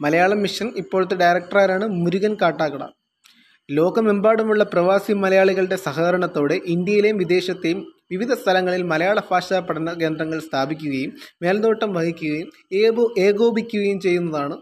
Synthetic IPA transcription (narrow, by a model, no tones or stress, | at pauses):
mɐlɐjaːɭɐmiʂɐnipːo̞ːɻut̪ːeɖɐjɾɐk̚ʈɐraːɾaːɳɨmuɾuɣɐnkaːʈːaːɣɐɽɐ̰ | lo̞ːɡɐmembaːɽumuɭːɐprɐʋaːsimɐlɐjaːɭiɣɐɭɽe̞sɐɦɐðɐɾɐɳɐt̪ːo̞ːɽe̞ʔind̪jɐjilejumʋid̪e̞ːɕɐt̪ːejumʋiʋid̪ʱɐst̪ʰɐlɐŋːɐɭilmɐlɐjaːɭɐfaːʂaːpːɐʈʰɐnɐke̞ːnd̪ɾɐŋːɐɭst̪ʰaːbʱikʲːuɣɐjumːe̞ːlɐd̪o̞ːʈːɐmʋɐhikʲːuɣɐjum | eːɣo̞ːbikʲːuɣɐjumt͡ɕe̞jːunːɐðaːɳɨ